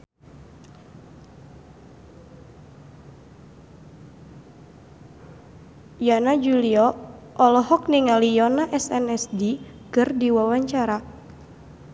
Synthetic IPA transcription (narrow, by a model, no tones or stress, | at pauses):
janad͡ʒuliɔ | ɔlɔɦɔk̚niŋalijɔnaʔɛsɛnɛsdi | kɨrdiwawaɲt͡ʃaɾa